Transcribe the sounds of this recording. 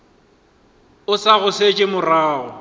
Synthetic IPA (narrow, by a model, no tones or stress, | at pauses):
ʊsaɣʊset͡ʃʼɪmʊraːʊ